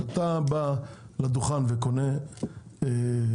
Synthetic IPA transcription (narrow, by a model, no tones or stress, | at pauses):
at̪abalad̪uχanvekone | e